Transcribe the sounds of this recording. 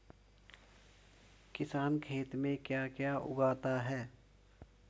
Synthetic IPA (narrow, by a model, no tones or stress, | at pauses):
kɪsaːnkʰeːt̪mẽkjaːkjaʔʊ̰ɡaːt̪aɦɛː